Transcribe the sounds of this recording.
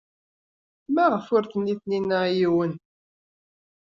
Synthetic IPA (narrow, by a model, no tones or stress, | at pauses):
mæʁəfʊɾθənːiθninːəjiwən